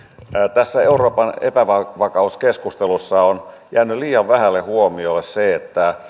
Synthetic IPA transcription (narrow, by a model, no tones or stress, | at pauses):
t̪æsːæeuroːpɑnḛpæʋɑʋɑkɑuskeskust̪elusːɑonjæːnyliːjɑʋʋæhælːehuomiolːesseet̪ːæ